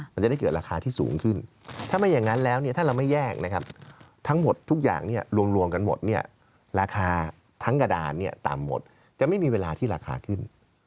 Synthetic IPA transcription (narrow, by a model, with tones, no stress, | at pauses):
ma˧nt͡ɕa˨˩da˥˩kɤː˨˩t̪̚ɾaː˧xʰaː˧t̪ʰiː˥˩sṵː˩˦ŋkʰɯ˥˩n | t̪ʰaː˥˩ma˧nja˨˩ŋːa˦˥nlɛː˦˥wni˥˩t̪ʰaː˥˩ɾa˧wma˥˩jɛː˥˩k̚na˦˥kʰa˦˥p̚ | t̪ʰa˦˥ŋmo˨˩t̪ʰːu˦˥k̚ja̰ː˨˩ŋni˥˩ɐɾu˧əmɾu˧əmka˧nmo̰˨˩t̪̚ni˥˩ɐ | ɾaː˧kʰaː˧ | t̪ʰa˦˥ŋka˧daː˧nːi˥˩ɐt̪a̰˨˩mːo̰˨˩t̪̚ | t͡ɕa˨˩ʔma˥˩jmiː˧weː˧laː˧t̪ʰiː˥˩ɾaː˧kʰa̰ː˧kʰɯ˥˩n